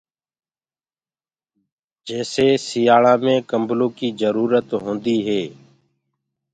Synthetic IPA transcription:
d͡ʒɛːseːsijaːɭãːmẽːkəmblõːkiːzəɾuːɾət̪ɦõːnd̪iːɦeː

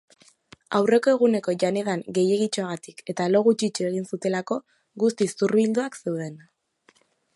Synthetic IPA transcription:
a̰wre̞ko̞e̞ɣ̞une̞ko̞ʝane̞ðaŋɡe̞je̞ɣit͡ʃoaɣat̪i̥ke̞t̪alo̞ɣut͡ʃit͡ʃue̞ɣ̞insut̪e̞lako̞ | ɣust̪isurβild̪uakse̞wðe̞n

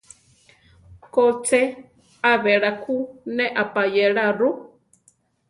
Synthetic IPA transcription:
kot͡sɛ | aβeɺakʰunɛʔapajɛɺaru

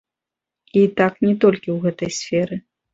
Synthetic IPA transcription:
it̪aknʲɛt̪ɔlʲkʲiwɣɛt̪ɐjsʲfʲɛɾɨ

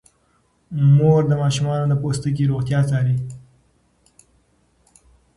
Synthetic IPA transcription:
moɾd̪əmɑʃumɑnod̪əpost̪ək̬iɾoɣt̪jɑt͡sɑɾi

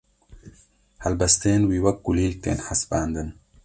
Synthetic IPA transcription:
hɐlbɐst̪eːnwiːwɐk̚ɡuliːl̚t̪ḛːnħasbaːnd̪ɨn

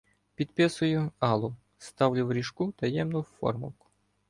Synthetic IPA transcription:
pʲid̪pɪsʊjʊɑlˠʊ | st̪ɑwlʲʊwɾʲiʃkut̪ɐjɛmnʊfɔ̰rmʊ̰lˠkʊ̥

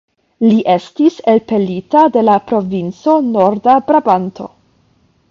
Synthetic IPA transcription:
liʔe̞stiselpe̞litade̞lapɾo̞vint͡so̞no̞ɾdabɾabanto̞̰

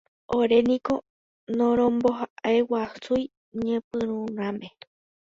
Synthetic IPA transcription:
oɾe̞nĩko̞ | nõɾ̃õmboɦaʔaewasuj | ɲẽpɨ̃ɾũnãmẽ

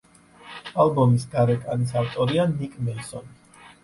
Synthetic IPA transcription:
albɔmisɡaɾɛkʼanis̬aft̪ʼɔɾianikʼmɛlsɔn

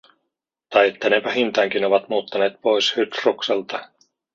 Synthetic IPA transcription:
t̪ɑjet̪ːænepæɦint̪æːŋkino̞ʋɑt̪muːt̪ːɑne̞ːt̪̚po̞jshyt̪rukselt̪ɑ

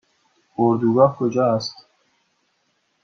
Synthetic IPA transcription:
oɾd̪uɡakʰod͡ʒaːst̪

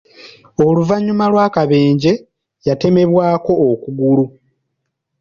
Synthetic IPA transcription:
oluvaɲːumalwaːkaβe̞ːɲɟe̞ | jate̞me̞βwaːko̞ːkuɡulu

